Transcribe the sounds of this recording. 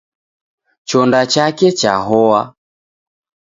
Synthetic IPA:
t͡ʃɔndat͡ʃakɛt͡ʃa̰ɦɔwa

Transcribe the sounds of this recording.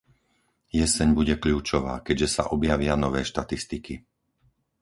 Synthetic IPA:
jɛsɛɲbuɟɛkʎuːt͡ʃɔʋa̰ːkɛɟʒɛsa̰ʔɔbjaʋɪanɔʋɛːʃt̪at̪ist̪iki

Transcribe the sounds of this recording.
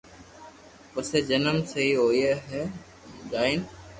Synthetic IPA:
pəɾseːd͡ʒənəmseiːɦoːieːɦɛː | d͡ʒaːiːn

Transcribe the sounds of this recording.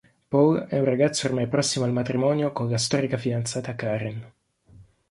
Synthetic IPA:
pɔlɛũraɡat̪sːoormajpɾɔsːimoalmat̪ɾimɔnjokonlast̪ɔːɾikafid̪ant̪saːt̪akːaɾin

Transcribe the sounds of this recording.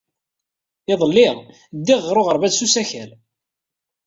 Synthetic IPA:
ɪðˤəlːɪʁ | d̪ːiʁːɾˤoʁəɾˤvæðsusæçæl

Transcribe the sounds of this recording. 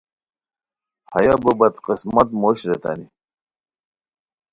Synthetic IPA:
hɐ̰jabəbɐt̪qismɐt̪moːɕɾet̪a̰ni

